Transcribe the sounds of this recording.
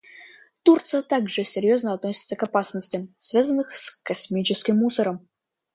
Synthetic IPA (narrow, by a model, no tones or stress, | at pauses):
t̪urt̪sɨjət̪aɡʐɨsʲɪɾʲjo̞znəɐt̪nosʲɪt̪səkɐpasnəsʲtʲɪmsvʲazənːɨxskɐsmʲit͡ɕɪskʲɪmːusəɾəm